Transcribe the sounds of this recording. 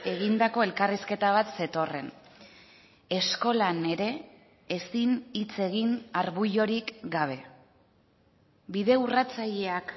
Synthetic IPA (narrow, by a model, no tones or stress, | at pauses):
e̞ɣind̪ako̞e̞lkariske̞t̪aβ̞at̪se̞t̪o̞re̞n | e̞sko̞lane̞ɾe̞ː | sinit͡se̞ɣ̞inaɾβuʎo̞ɾikɡaβ̞e̞ | biðe̞urat͡saʎe̞ak